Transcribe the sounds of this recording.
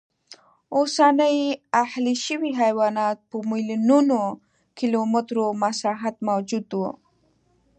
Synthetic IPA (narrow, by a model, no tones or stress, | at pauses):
osanəjahliʃəwiɦajwɑnɑt̪̚pəmilinuno | kilomɪt̪ɾomasɑɦat̪mawd͡ʒud̪wu